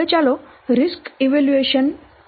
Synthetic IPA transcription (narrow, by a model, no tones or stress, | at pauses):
et͡ɕaloɾiskiʋeljueɕən